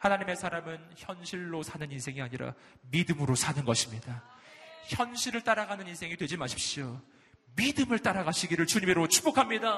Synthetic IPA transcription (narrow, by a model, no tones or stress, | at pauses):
hanaɲime̞sʰaɾamɯnçjʌnɕʰiɭːosʰanɯninsʰe̞ŋiaɲiɾa̰ | midɯmɯɾosʰanɯnɡʌɕʰimɲida | çjʌnɕʰiɾɯɭt͈aɾaɡanɯninsʰe̞ŋidwe̞d͡ʑimaɕʰi̥p̚ɕ͈io | midɯmɯɭt͈aɾaɡaɕʰiɡiɾɯɭt͡ɕuɲimeɾot͡ɕʰu̥p͈okʰamɲida